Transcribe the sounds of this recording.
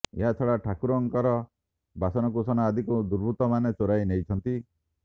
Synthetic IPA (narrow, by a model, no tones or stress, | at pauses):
ḛɦat̪ʰɔɽaʈʰakuɾɔŋkɔɾɔ | basɔnɔkusɔnaːd̪ʱikud̪uɾbʱut̪ɔmanet͡ʃoɾajnejt͡ʃʰɔnt̪i